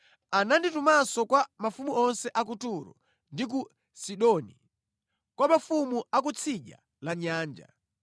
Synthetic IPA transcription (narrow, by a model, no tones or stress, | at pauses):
ananditumasɔkwamafumuɔnsɛʔak̬utuɾɔ̰ | ndik̬u | siɗɔni | kwamafumuak̬ut͡sʰiʄa̰ | laɲaːnd͡ʒa̰